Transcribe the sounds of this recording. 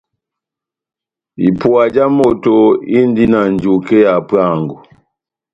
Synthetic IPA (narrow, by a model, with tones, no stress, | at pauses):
i˨pu˨a˨d͡ʒa˦mɔ˨tɔ˨i˦n˦di˦na˨nd͡ʒu˨kɛ˦ja˨pwa˦˨ŋɡɔ˨